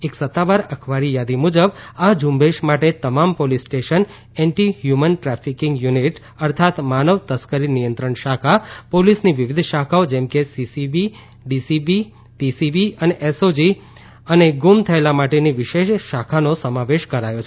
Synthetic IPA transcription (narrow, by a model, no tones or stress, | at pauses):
eksət̪ːaʋaɾəkʰʋaɾijad̪imud͡ʒəbad͡ʒumbeʃmaʈet̪əmampolisʈeʃən | ɛɳʈiɦjumənʈɾafʰikɪ̃ŋɡjuniʈ | əɾt̪ʰat̪manəʋt̪əskəɾinijənt̪ɾəɳʃakʰapolisniʋiʋɪd̪ʱʃakʰaod͡ʒɛmkesisibi | ɖisibi | pisibiəneʔesod͡ʒi | əneɡumt̪ʰəelamaʈeniʋɪʃeʃːakʰanosəmaʋeʃkəɾajot͡ʃʰe